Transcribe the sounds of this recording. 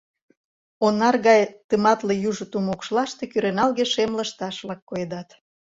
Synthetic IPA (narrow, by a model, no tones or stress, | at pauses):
onːɑrɣɑjt̪əmɑt̪lejuʒŏt̪umokʃlɑʃt̪ekyɾenɑlɣeʃemləʃt̪ɑʃβlɑkːoed̪ɑt̪